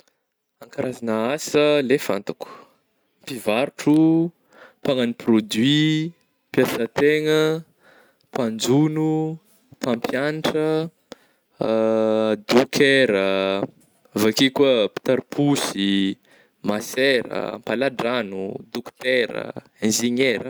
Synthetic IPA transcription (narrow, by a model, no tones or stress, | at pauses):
aŋkaɾazanəasəlefa̰nt̪aku̥ | mpivaɾuʈ͡ʂu | paŋaniprod̪ɥi | pjasət̪eŋə | pand͡zunu | pampjaniʈ͡ʂə | d̪ukʰeɾə | vakikəpi̥t̪aɾpʰusi | maseɾə̰mpalaɖ͡ʐanud̪ukt̪eɾə̰ | end͡ʒiɲeɾə